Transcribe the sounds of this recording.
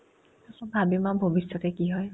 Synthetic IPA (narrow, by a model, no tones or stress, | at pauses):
asɔbʱabimabʱobisːɔtɛkiɦɔj